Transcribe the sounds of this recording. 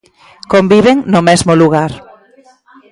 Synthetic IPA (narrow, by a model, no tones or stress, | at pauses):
kombiβeŋnomezmoluɣaɾ